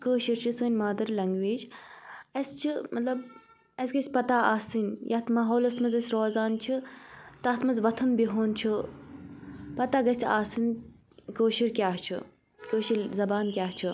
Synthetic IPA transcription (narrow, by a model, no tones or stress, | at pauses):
kəːʃiɾt͡ʃʰisəːnʲmaːd̪ɐɾlɐŋɡʋeːd͡ʒ | ɐst͡ʃʰimɐt̪lɐb | ɐsɡɐsʲpɐt̪aaːsinjʔaːt̪ʰmaːɦoːlɐsmɐzɐsʲɾoːzaːnt͡ʃʰit̪ɐt̪ʰmɐzʋɐt̪ʰɨnbiɦoːnt͡ʃʰɨ | pɐt̪aɡɐsʲt̪ʲʰaːsin | koːʃiɾkʲaːɦt͡ʃʰɨ̰ | kəːʃiɾzɐbaːnkʲaːɦt͡ʃʰɨ